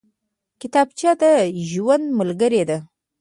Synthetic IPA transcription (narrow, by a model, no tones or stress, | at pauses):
kɪt̪ɑb̚t͡ʃɑd̪əʒwand̪məlɡəɾed̪a